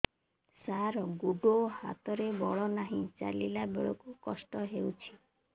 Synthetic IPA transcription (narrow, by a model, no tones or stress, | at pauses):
saɾɔɡuɖoha̰t̪ɔɾebɔɭɔnaɦĩt͡ʃa̰lilabḛɭɔkukɔsʈɔɦewt͡ʃʰi̥